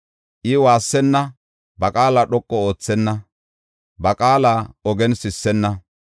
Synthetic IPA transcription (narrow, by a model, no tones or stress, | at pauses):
ʔɪwaːsːɛnːɐ | bɐkʼaːlaɗɔkʼːɔo̞ːt͡sːɛnːɐ | bɐkʼaːlaːɔɡɛnsɪsːɛnːɐ